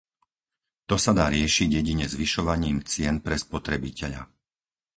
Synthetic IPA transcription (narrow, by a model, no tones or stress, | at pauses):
t̪ɔsad̪aːɾɪɛʃiɟjɛɟiɲɛzʋiʃɔʋaɲiːmt͡sɪɛnpɾɛspɔt̪ɾɛbicɛʎa̰